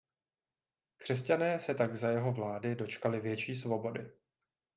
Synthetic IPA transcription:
kr̝̥ɛscanɛːsɛt̪aɡzajɛɦo̞vlaːdɪdo̞t͡ʃkalɪvjɛt͡ʃiːs̬vo̞bo̞dɪ

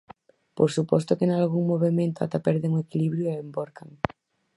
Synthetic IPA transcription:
poɾsupɔst̪okenalɣuŋmoβemẽnt̪oa̰t̪apɛɾðeŋuekiliβɾjueembɔɾkaŋ

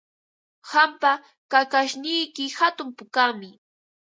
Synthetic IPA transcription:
hampa | kakaʃnɪjkɪhat̪ʊmpʊkamɪ

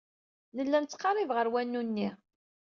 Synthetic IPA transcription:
ləlːænt͡sːqːɑɾˤivʁəɾwænːunːi

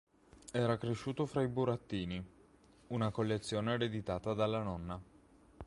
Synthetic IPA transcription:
ɛːɾakɾeʃːuːt̪ofɾaibuɾat̪ːiːni | unakolːet̪sːjoːneɾed̪it̪aːt̪ad̪alːanɔnːa

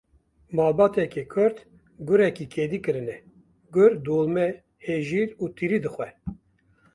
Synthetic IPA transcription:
mɑːlbɑːt̪ɛkeːkʰʊɾt̪ | ɡʊɾɛkikʰeːd̪iːkɨɾɨnɛ | ɡʊɾd̪oːlmɛ | heːʒiːɾuːt̪iɾiːd̪ɨxwɛ

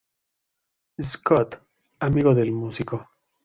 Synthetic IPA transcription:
eskot̪ | amiɣoðelmusiko

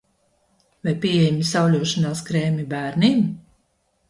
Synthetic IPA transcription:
vajpʲieɛjmʲisawlʲuɔʃanaːskɾeːmʲibæːɾnim

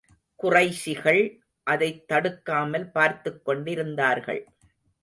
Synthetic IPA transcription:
kʊrɐɪsɪɣɐɭ | ʔɐðɐɪt̪ːɐɽɯkːaːmɐlpaːɾt̪ɯkːɔɳɖɪɾɯnd̪aːɾɣɐ̰ɭ

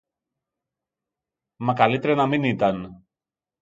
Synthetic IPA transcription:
mɐkɐlit̪eɾenɐminit̪ɐn

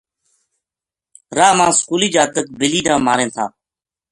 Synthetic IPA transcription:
ɾaːmãːskuːliːd͡ʒaːt̪ək̚bɪliːnãːmaːɾẽːt̪ʰaː

